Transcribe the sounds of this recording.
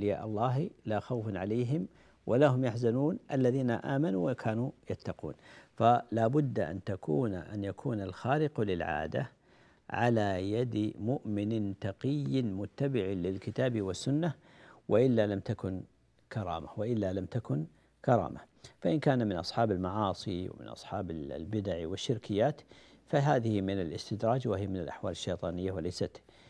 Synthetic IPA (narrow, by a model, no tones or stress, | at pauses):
lɪja̰ːʔɑlˤːɑːɦlaːxawfnʕalajɦɪm | wʔalaɦʊmjaħzanuːnʔalːaðiːnaʔaːmanuwakʰaːnujat̪ːɑqṵːnfalaːbʊd̪ːʔa̰nt̪akʰṵːnʔanjakʰuːnalxaːlɪqlɪlʕa̰ːd̪a | ʕa̰lajad̪mʊʔmɪnɪt̪ɑqɪjːɪmʊt̪ːabɪʕɪlɪlkɪt̪aːbɪwasːʊnːa | wʔɪʔɪlːalamt̪akʊn | kʰɑɾˤɑ̰ːmawaʔɪlːalamt̪akʊn | kɑɾˤɑ̰ːmʔafaʔɪnkaːnamɪnʔɑ̰sˤħɑːbalmɑʕɑːsˤiwɪ̰mɪ̰nʔɑ̰sˤħɑːbalbɪd̪aʕwɪʃːɪɾkɪjːaːt̪faɦaːðɪhɪmɪnalʔɪst̪ɪd̪ɾˤɑːd͡ʒwɪhɪjamɪnɪlʔaħwaːlɪʃːejt̪ˤɑːnɪjːawalajsat̪